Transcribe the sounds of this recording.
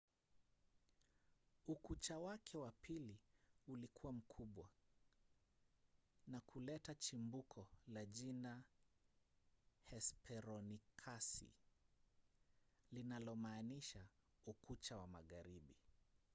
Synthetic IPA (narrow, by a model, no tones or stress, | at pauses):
ukut͡ʃawakʰɛwapʰiliulikʰuwam̩kʰuɓwa | nakʰulɛtat͡ʃimbukʰɔlaʄina | hɛspʰɛɾɔnikʰasḭ | linalɔmaːniʃa | ukut͡ʃawamaɣaɾiɓi